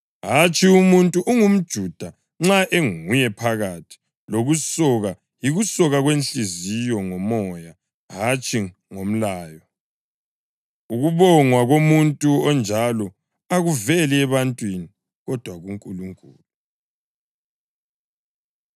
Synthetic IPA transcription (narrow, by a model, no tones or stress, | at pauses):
ɦat͡ʃʼiumuntʼuʔuŋum̩d̥ʒ̥ʱud̥ʱa | ŋ͡ǁaʔeŋujɛpʰaɣatʰi̥ | loɣusɔɣa | jiɣusɔɣaɣwenɬʼizijɔŋɔmɔja | ɦat͡ʃʼʰi | ŋom̩laːjɔ | uɣuβɔŋwaɣomuntʼuɔnd͡ʒʱalɔ | aɣuvɛliɛβantʼwini | ɣɔd̥ʱwaɣuŋkʼuluŋkʼuːlu